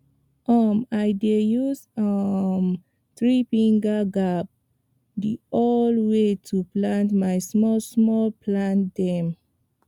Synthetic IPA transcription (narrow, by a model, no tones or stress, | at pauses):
ʔʌmajdejusʌm | tɹifĩŋɡaɡap̚ | diolwetʰuplãntmajsmɔlsmɔlpʰlãntdɛ̃m